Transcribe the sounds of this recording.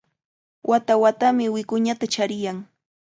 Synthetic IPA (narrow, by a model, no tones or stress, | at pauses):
wʔat̪awat̪amɪwɪkʊɲat̪at͡ʃaɾɪjaŋ